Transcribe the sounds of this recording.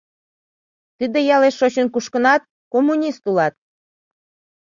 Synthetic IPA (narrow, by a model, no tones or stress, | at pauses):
t̪ɨd̪ejɑleʃːot͡ɕənkuʃkə̆nɑt̪̚ | komːunʲist̪ulɑt̪̚